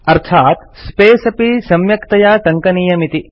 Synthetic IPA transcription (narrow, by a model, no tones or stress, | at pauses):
ɐɾt̪ʰaːt̪speːsɐpisɐmjɐkt̪ɐjaːʈ̪ɐŋkɐniːjɐmit̪i